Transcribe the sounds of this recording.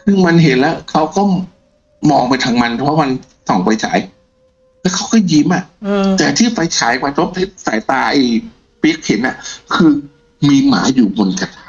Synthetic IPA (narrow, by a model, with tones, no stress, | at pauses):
kʰɯː˧ma˧nɦe˨˦nlɛː˦˥wkʰa˦˥wkɔː˥˩ | mɔː˧ŋpa˧jt̪ʰa˧ŋma˧npʰpʰɔ˦˥wma˧n | sɔ˨˩˦ŋfa˧jt͡ɕʰa̰ː˩˦j | lɛː˦˥wkʰa˦˥wkʰɔː˥˩jji˧˦mʔa˨˩t̪ɛː˨˩t̪ʰiː˥˩fa˧jt͡ɕʰaː˨˩˦jkwaː˧˩t̪ʰo˦˥p̚pʰe˦˥t̚faː˨˦jt̪aː˧ʔa˧˩ | pi˦˥ək̚he˨˦nʔa˧˩kʰɯː˧ | miː˧ma̰ː˩˦juː˨˩bo˧nka˧˩t̪ː